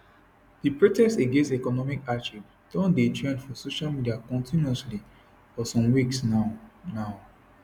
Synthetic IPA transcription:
dipɹotɛkseɡẽnstɛkɔnɔmikaʃip | d̥ɔ̃ndetɹɛ̃ndfɔsoʃalmidiakɔ̃ntʰĩnɔsli | fɔsɔ̃mwiksanaʊ

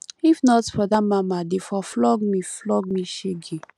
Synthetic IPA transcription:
ifnɔtfɔdamamadefɔflɔɡmiflɔɡ̚mĩʃeɡi

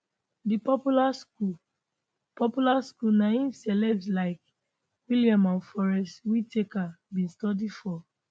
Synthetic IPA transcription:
dipɔpulasku | pɔpulaskulnaĩsɛlɛbslaɪk | wiliãmãnfɔɹɛstwitekabĩnstɔdifɔ

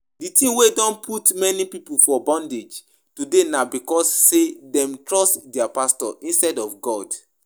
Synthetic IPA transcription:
ditĩwedɔ̃npʰutmɛnipipufɔbɔ̃nded͡ʒ | tudenabikɔsːedɛ̃mtɹɔstdɛapastɔʔĩnstɛdɔfɡɔd

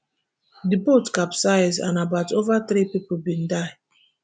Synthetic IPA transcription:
dibotkapsaɪza̰nabaʊtovatɾipipolbĩndaɪ

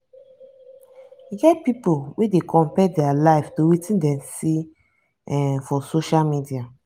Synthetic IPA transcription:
iɡɛt̚pipolwedekʰɔ̃mpɛdɛalaɪftowitĩndɛ̃msi | ɛfɔsoʃalmidia

